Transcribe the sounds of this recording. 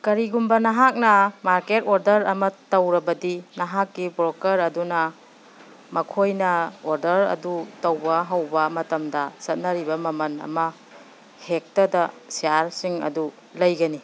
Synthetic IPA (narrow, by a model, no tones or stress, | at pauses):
kɐɾiɡumbɐnɐɦak̚nɐmaɾketoɾdɐɾɐmɐtɐwɾɐbɐdinɐɦak̚ːibɾokɐɾɐdunɐ | mɐkʰojnɐoɾdɐɾɐ̰dutɐwbɐɦawbɐmɐtɐmdɐsɐt̚nɐɾibɐmɐmɐnɐ̰mɐ | hek̚tɐdɐsiaɾsiŋɐ̰du | lɐjɡɐni